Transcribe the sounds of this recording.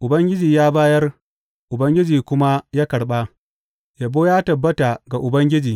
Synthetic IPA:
ʔʊ˨bɐ˦ŋɡʲɪ˦d͡ʒiː˨jaː˦baː˦jɐ˦r | ʔʊ˨bɐ˦ŋɡʲɪ˦d͡ʒiː˨kʷʊ˦ma˦jaː˦kɐ˨ɽɓa˦ | ja˨boː˦jaː˦tɐ˨bːɐ˦ta˨ɡa˨ʔʊ˨bɐ˦ŋɡʲɪ˦d͡ʒiː˨

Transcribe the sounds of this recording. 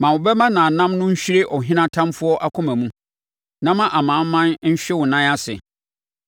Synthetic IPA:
mã˨wʊ˨bɛ˦mã˦nã˨nã˦mnʊ̃˦ɲ̩˦ɕᶣi˦ɾe˦ʔɔ˨ɦɪ̃˦nã˦tʰã˦mfʊ˦ɔ˦ʔa˦kʰʊ̃˦mæ̃˨mũ˦ | nã˦mã˨ʔa˨mãː˨˦m˦mã˦nɲ̩˦ɕᶣɛ˦wʊ˨nã˦a˦sɪ̰˨

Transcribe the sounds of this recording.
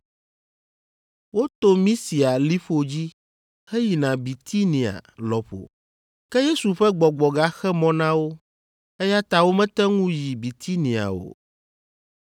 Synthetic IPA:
wo˦t̪o˦mĩ˦si˨a˨li˦ɸo˨d͡ʑi˦ | hɛ˦ji˨nã˨bi˨t̪ʰi˦nĩ˨a̰˨lɔ˨ɸo̰˨ | kɛ˦je˦su˨ɸɛ˦ɡ͡bɔ˨ɡ͡bɔ˨ɡa˦xɛ˦mɔ̃˦nã˦wo˦ | ɛ˦ja˦t̪a˦wo˦mɛ̃˦t̪ɛ˦ŋũ˦ji˨bi˨t̪ʰi˦nĩ˨a̰˨o̰˨

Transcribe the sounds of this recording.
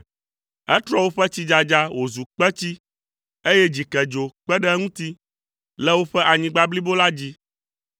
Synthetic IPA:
ɛ˦t̪ɾɔ˦wo˦ɸɛ˦t͡ɕi˦d͡ʒa˨d͡ʒa˦wʔo˨zu˨k͡pɛ˦t͡ɕi˦ | e˦jɛ˦d͡ʑi˨kɛ˨d͡ʒo˨k͡pɛ˦ɖɛ˦ŋũ˦t̪i˦ | lɛ˦wo˦ɸɛ˦ʔa˨ɲĩ˦ɡ͡ba˦bli˦bo˦la˦d͡ʑi˦

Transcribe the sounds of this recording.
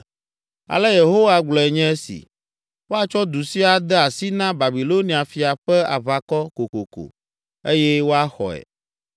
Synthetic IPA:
a̰˨lɛ˦je˨ɦo˦wa˦ɡ͡blɔ˨ɛ˨ɲɛ̃˦ɛ˦sḭ˨ | wo˦a˦t͡ʃɔ˦d̪u˨si˦a˨d̪ɛ˦a˨si˦nã˦ba˨bi˨lo˦ni˨a˨fi˨a˨ɸɛ˦a̰˨va˨kɔ˦ko˨ko˨ko̰˨ | e˦jɛ˦wo˦a˦xɔ̰˨ɛ̰˨

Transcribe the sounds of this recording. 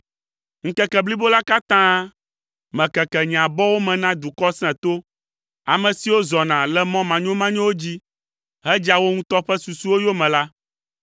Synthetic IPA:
ŋ̩˨kɛ˨kɛ˨bli˦bo˦la˦ka˦t̪ã˦ | mɛ̃˨kɛ˨kɛ˨ɲ˨ã˨bɔ˦wo˦mɛ̃˨nã˦d̪u˨kɔ˦sɛ̃˨t̪o˦ | a˨mɛ̃˨si˨wo˦zɔ˨nã˨lɛ˦mɔ̃˦mã˨ɲõ˦mã˦ɲɛ̃˦wo˦d͡ʑi˦ | ɦɛ˦d͡ʒa˨wo˦ŋũ˦t̪ɔ˦ɸɛ˦su˨su˦wo˦jo˦mɛ̃˨la˦

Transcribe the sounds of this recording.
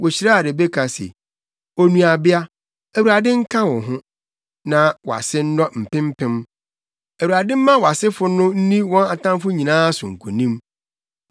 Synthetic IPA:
wɔ˨ɕi˨ɾa˦a˨de˨be˦kʰa˨sḛ˨ | o˨nũ˨a˨bɪ˦a˦ | æ˨wu˨ɾa˨dɪ̃˦ŋ̩˦kʰã˦wɔ̃˨ɦʊ̃˦ | nã˨wɔ˨a̰˨sɪ˦n̩˦nɔ˦m̩˨pɪ̃˦m̩˦pʰɪ̃˦m | æ˨wu˨ɾa˨dɪ̃˦m̩˦mã˦wɔ˨a˨sɪ˦fʊ˦nʊ̃˦n̩˦nĩ˦wɔ̃˦na˨tʰã˦m˦fʊ˦ɲi˨nãː˦sʊ̃˨ŋ̩˨kʰṵ˨nĩ˦m

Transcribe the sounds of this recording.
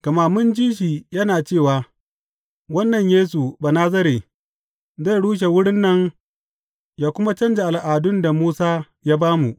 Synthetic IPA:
kɐ˨ma˨mʊ˦nd͡ʒiː˦ʃ̬iː˨jɐ˦naː˨t͡ʃeː˦˨waː˨ | wɐ˦nːɐ˨ɲjeː˦s̬u˨baː˨naː˦zɐ˦ɾeː˨ | za˦˨ɽuː˦ʃ̬e˨wʊ˦ɽɪ˦nːɐ˦ŋ | jaː˦kʷʊ˦ma˦t͡ʃɐ˦nd͡ʒe˨ʔa˨lʔaː˨dʊ˦nda˨muː˦saː˦ | jaː˦baː˦mu˨ʔ

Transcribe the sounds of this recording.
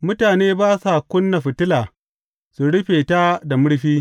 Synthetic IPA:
mʊ˦taː˨neː˦baː˦sa˨kʷʊ˦nːa˨ɸɪ˨tɪ˦laː˨ | su˨ɽɪ˦ɸeː˨ta˦da˨mʊ˦ɽɸiː˦

